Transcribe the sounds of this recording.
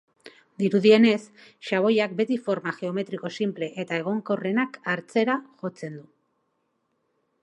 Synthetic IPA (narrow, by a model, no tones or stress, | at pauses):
d̪iɾuðie̞ne̞sʃaβ̞o̞jak̚be̞t̪ifo̞ɾmaʝe̞o̞me̞t̪ɾiko̞simple̞ʔet̪ae̞ɣ̞o̞ŋko̞re̞nakaɾt͡se̞ɾaʝo̞t͡se̞nd̪u